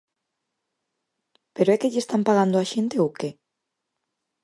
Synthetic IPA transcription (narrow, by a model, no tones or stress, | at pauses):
peɾoɛkeʎest̪ampaɣand̪oaʃent̪eoke